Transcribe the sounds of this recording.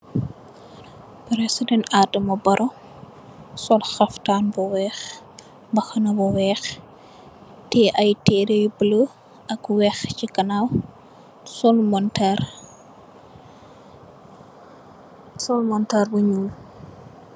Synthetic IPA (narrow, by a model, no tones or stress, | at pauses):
pɾɛsdɛnadɐmɐbɐɾʔo | sɔlxɐftaːnbɔwɛːx | bɐxɐnɐbɔwɛːx | tɛʔɐjtɛːɾejbələ | ɐkwɛxcikɐnaw | sɔlmɔntɛr | sɔlmɔntɛrbuɲul